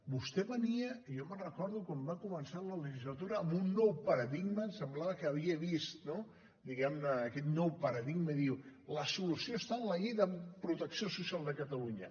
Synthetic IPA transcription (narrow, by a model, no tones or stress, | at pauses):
bust̪ɛβəniəʒɔmərəkɔɾðukwambakumənsalələʒizlət̪uɾəːmbunːɔwpəɾəðiɡməsəmblaβəkəːβ̞iəβist̪no | d̪iɣɛmnəːkɛt̪nɔwpəɾəðiɡməðiwləsulusioəst̪aənləʎejðəpɾut̪əksiosusialˠd̪əkət̪əluɲə